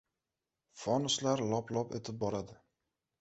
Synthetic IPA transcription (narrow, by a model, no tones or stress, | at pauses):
fɒnʊslaɾlˠɒplˠɒpḛt̪ʰɪp̚bɒɾad̪ɪ